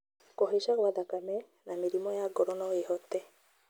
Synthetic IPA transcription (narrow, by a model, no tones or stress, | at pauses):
kɔɦisakbad̪akamɛ | namiɾimɔjaɡɔɾɔnɔeɦɔt̪ːɛ